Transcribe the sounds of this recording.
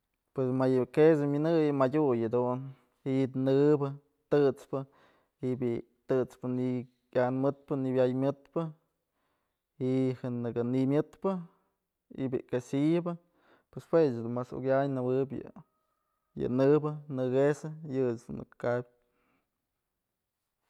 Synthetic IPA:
pwesmajɨkes̬ɨmʲɨnɨjɨmadʲujad̪un | it̪nɨbɨ | t̪ɨt͡spɨ | ibi | t̪ɨt͡spɨni | anmɨt̪̚pɨnibjajmʲɨt̪̚pɨ | ihɨnɨɡɨnimʲɨt̪pɨ | ḭbʲḭkasijɨbɨ | pwespwesɨd̪umasṵɡjajnɨbɨbʲjɨ̰ | jɨ̰nɨbɨnɨɡesɨjɨsmɨ̰k̪kabʲ

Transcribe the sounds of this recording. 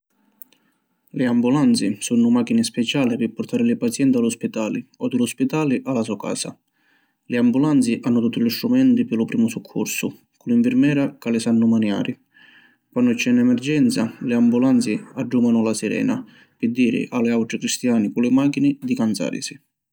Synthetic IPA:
lɪambulant̪sisunːʊmak̟inɪspɛt͡ʃaːlɪpɪpːʊrt̪aːɾɪlɪpat̪sjɛnt̪alʊspit̪aːliɔd̪ɪlʊspit̪aːlɪʔalas̬ɔka̰ːsa̰ | lɪambulant̪siʔanːʊt̪ut̪ːilist̪ɾumɛnt̪ipɪlʊpɾiːmʊsukʰːṵɾsʊ | kʊliɱfɪɾmɛːɾakalɪsanːʊmanja̰ːɾi | kwanːʊt͡ʃːɛnːɛmɛrd͡ʒɛnt̪salɪambulant̪siad͡ʒːumɡanʊlasiɾɛ̰ːna̰ | pɪd̪ːiːɾɪ̰ʔalɪawʈɾikɾist̪jaːnikʊlɪmak̟inɪd̪ikant̪sa̰ːɾḭsi

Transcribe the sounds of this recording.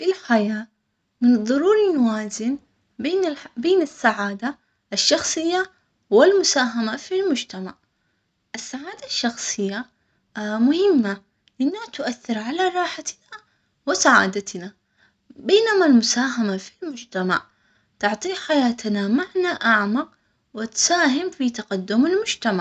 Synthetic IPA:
ʔɪlħajaː | mɪnðˤːɑɾuːɾinwaːzɪn | beːnbeːnasːaʕaːd̪a | ʔaʃːɑxsˤɨjːa | wɪlmʊsaːɦamafilmʊd͡ʒt̪amaʕ | ʔɪsːaʕaːd̪aʃːɑxsˤɨjːa | mʊhɪmːa | lʔɪnːat̪ʊʔaθːɪɾʕalaɾˤɑːħat̪na | wɪsaʕa̰ːd̪at̪na | beːnamalmʊsaːɦamafilmʊd͡ʒt̪ama̰ʕ | t̪ʊʕt̪ˤiːħajaːt̪namaʕnaʔaʕmaq | wɪt̪saːhɪmfit̪aqad̪ːʊmalmʊd͡ʒt̪amaʕ

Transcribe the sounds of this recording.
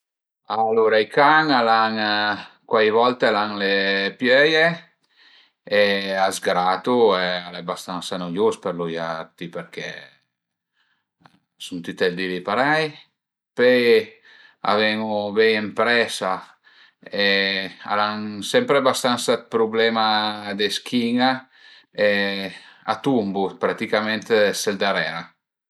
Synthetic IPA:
aloːɾaikaŋalaŋkwajvɔlt̪ealaŋlepjœje | eazɡɾat̪uɛalɛbast̪ansanojospeɾlujaɾt̪ipeɾkʰɛ̰ | sunt̪it̪ɛld̪ilipaɾɛj | pɛj | a̰vɛŋubɛjempɾɛsa | ɛa̰ɾansɛmpɾebast̪ansat̪̚pɾublɛːmad̪esk̟ʰiŋa | ɛ | a̰t̪umbupɾat̪ikamɛnt̪sɛld̪aɾɛːɾa

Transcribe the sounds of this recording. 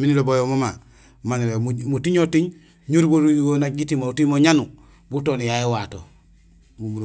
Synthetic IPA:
minilobojomoma | maniwemumutiɲotiɲ | ɲuɾboɾuɡonaɟitimoutimoɲanu | butonijajiwato̰ | bumuɾ

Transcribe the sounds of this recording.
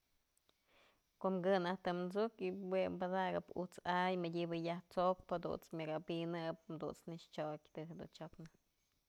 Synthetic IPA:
koʔmɡɨnaht̪ɨmzukiwembad̪aɡɨpṵt͡sajmɨdʲibɨjaht͡sok̚phad̪ṵnt͡smʲaɡabinɨp̚d̪ṵnt͡snɨʂt͡ʃokʲt̪ɨɦed̪ṵnt͡ʃopna

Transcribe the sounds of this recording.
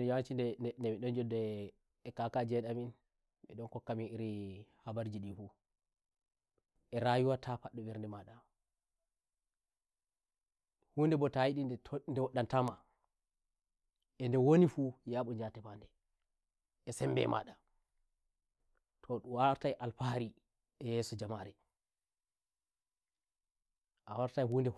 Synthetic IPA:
d͡ʒawant͡ʃindɛnɛmiɗɔnd͡ʒɔdɛ | ɛkakad͡ʒɛɗamin | ɓɛɗɔnkɔkːaminiɾihabaɾd͡ʒiɗifu | ʔɛɾajuwatʰafaɗːɔbɛɾndɛmaɗa | hundɛbɔtajiɗinɛndɛwɔɗːantama | ʔɛndɛwonifujaːɓɔd͡ʒatɛpandɛ | ɛsɛmbɛ̰mʔa̰ɗa | tʰɔɗuwaɾtajʔalfaɾi | ʔɛjɛsɔd͡ʒamaɾɛ | ʔawaɾtajhuːndɛ

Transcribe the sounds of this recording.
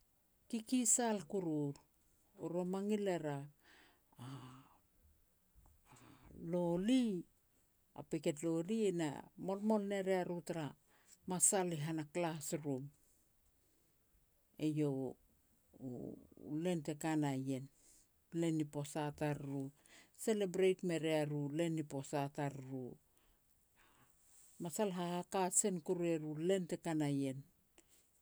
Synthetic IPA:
kikisalkuɾuɾ | oɾomaŋileɾaː | loli | a̰peke̞t̬lo̞liena̰mo̞lmolne̞ɾeaɾutaɾa | masaliɦanaklasɾum | e̞jo̞ | le̞nte̞kanaje̞n | le̞nipo̞sataɾɾu | se̞lebɾejtme̞ɾeaɾule̞nipo̞sataɾɾu | masalɦahakase̞nkuɾue̞ɾule̞nte̞kanaje̞n

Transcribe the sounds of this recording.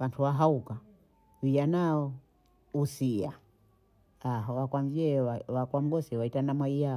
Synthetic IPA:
wantʰuwaɦauka | wijanaɔ | usia | ɦɔwakwamviɛwakwam̩ɡɔsiwaitanamwaija

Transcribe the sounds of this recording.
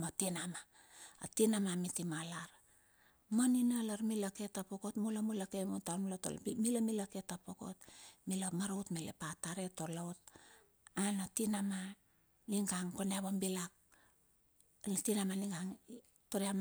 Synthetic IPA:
matinama | a̰tinamamitimalaɾ | moninalaɾmilake̞tapokotmulamulakemutanulato̰l̰milamilake̞tapoko̞̰t̚milamaɾowtmelḛpataɾe̞to̞lawt̚ | anatinama | niŋɡaŋkoneaβombilak̚ | tinamaniŋɡaŋ | toɾiam

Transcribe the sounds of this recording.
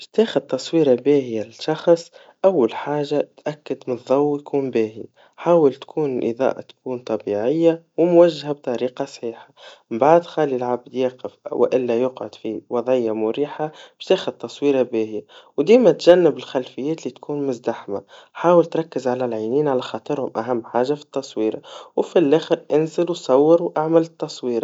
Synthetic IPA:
bʃt̪eːxɪd̪̚t̪ːɑsˤwiːɾɑbɛːhɪjalɪʃɑxsˤ | ʔawːalħaːʒat̪ʔakːɪd̪mɪnðˤːɑwːjkʰuːnbɛːhi | ħaːwəlt̪kʰuːnɪlʔə̰ðˤɑ̰ːʔa̰t̪kʰuːnt̪ˤɑbiʕɪjːawɪmwæʒːhab̚t̪ˤɑɾiːqɑsˤħiːħḁmmbaʕd̪xaːlilʕabd̪jɑːqɪfwɪ̰ʔɪlːæjʊqʕʊd̪̥fiwɑðˤʕɪjːamʊɾiːħab̥t̪eːxɪd̚t̪ːɑsˤwiːɾabɛːhɪjawd̪iːmæt̪ʒænːɪbɪlxælfɪjːɛːt̪lit̪kʰuːnmʊzd̪aħmaħaːwəlt̪ɾˤɑkːɪzʕalælʕiːniːnʕalæxɑːt̪ˤɨɾhʊmʔæɦæmːħaːʒafi̥t̪ːɑsˤwiːɾɑ̰wfilʔɛːxəɾʔɪnzɪluwsˤɑwːɪɾwʔaʕmɪlɪt̪ːɑsˤwiːɾɑ

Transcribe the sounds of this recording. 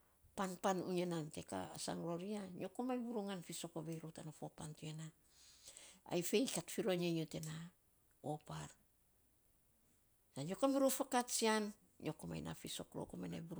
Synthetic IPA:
panpanṵɲenante̞ka̰asa̰ŋɾo̞ɾiaɲo̞komajbuɾuŋanfiso̞koβe̞jɾotanafopantuena | a̰jfe̞jkatfiɾo̞ɲajote̞na | o̞paɾ | saɲo̞kamiɾofakatsian | ɲʔo̞koma̰jna̰fiso̞̰kɾo̰komajna̰jbuɾ

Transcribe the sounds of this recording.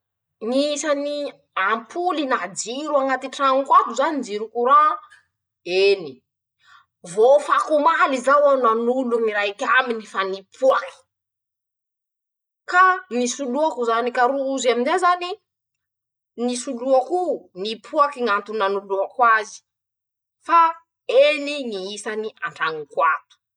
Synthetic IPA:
ŋiisani | ampʰulinad͡ʒiɾuaŋat̪iʈ͡ʂaŋkwat̪uzanind͡ziɾukuɾa | eni | vofakumalizawananuluŋiɾajkʲaminifanipʰuaki̥ | kanisuluakuzanikaɾuːzaminzezani | nisuluakunipʰuakiŋant̪unanuluakwazi̥ | fa | eniniisaniʔaɳʈ͡ʂaŋikwat̪u̥

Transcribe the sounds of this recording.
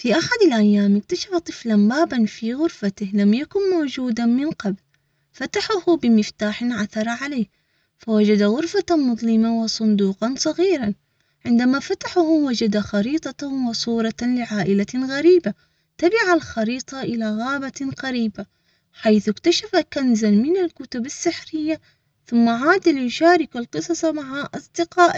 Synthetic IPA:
fiʔaħad̪alʔajːaːmɪk̚t̪aʃafat̪ˤɨflanbaːbanfiɣʊɾfat̪ɪhlamjakʊnmoːd͡ʒuːd̪amɪnqɑbl | fat̪aħʊhbɪmɪft̪aːħɪnʕaθɑɾˤɑʕaleːh | fawad͡ʒad̪aɣʊɾfamʊðˤlɪmawɨsˤʊnd̪uːqɑnsˤɑɣiːɾɑn | ʕɪnd̪amafat̪aħahwad͡ʒad̪axɑɾiːt̪ˤɑwɪsˤuːɾˤɑlɪʕaːʔɪlaɣaɾiːba | t̪abɪʕalxɑɾiːt̪ˤɑʔɪlaɣaːbaqaɾiːba | ħajθʊkt̪aʃafakanzalmɪnalkʊt̪ʊbɪsːɪħɾɪjːa | θʊmːaʕaːd̪ɪljʊʃaːɾɪkalqɨsˤɑsˤɑmaʕaʔɑsˤd̪ɪqɑːʔ

